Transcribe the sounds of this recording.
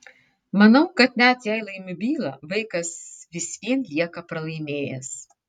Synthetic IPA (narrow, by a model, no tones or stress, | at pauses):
mɐnɐʊkɐt̪nʲæt̪jæɪlˠɐɪmʲʊbʲiːlˠɐʋɐɪkɐsʋʲɪsʲʋʲiɛnlʲiɛkɐpɾɐlˠɐɪmʲeːjɛ̰s